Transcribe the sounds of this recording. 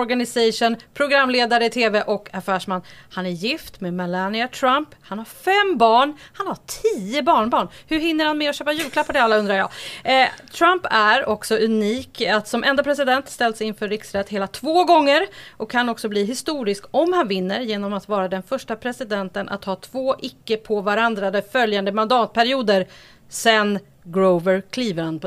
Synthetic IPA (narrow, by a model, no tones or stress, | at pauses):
ɔɾɡanɪsɛʂʊnpʰɾʊɡɾamːleːd̪aɾəɪt̪ʰeːvɛʔɔkafæːʂmanːhanæɾjɪft̪meːmɛlanɪat̪ʰɾamphanhaɾfɛmbɑːɳhanhaʈʰiːəbɑːɳbɑːɳhɵɾɦɪn̪ːəɾhanmɛɔɕøːpajʉlkʰlapːad̪ɛalːaɵnd̪ɾaɾjɑ̰ː | t̪ʰɾampæɾɔksɔʔʉniːkat̪sɔmʔɛnd̪apʰɾɛs̬ɪd̪ɛnt̪st̪ɛld̪sɛɪnfœɾːɪksɾɛt̪heːlat̪ʰvoːɡɔŋːəɾʔɔkʰːanɔksɔbliːɦɪst̪uːɾɪskɔmhanvɪnːəɾjeːnɔmat̪vɑːɾad̪ɛnfœʂʈapʰɾɛsɪd̪ɛnt̪ənʔa̰t̪hɑːt̪ʰv̥oːʔɪkːəpʰɔvaɾand̪ɾad̪ɛfœljand̪əmand̪ɑːt̪̚pʰæɾɪuːd̪əɾ | sɛn | ɡɾovəɾkʰliːvəɾhanp